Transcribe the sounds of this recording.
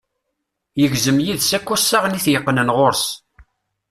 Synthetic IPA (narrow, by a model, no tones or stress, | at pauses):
jəʝzəmjiðsækːusːaʁniθjəqːnənʁoɾs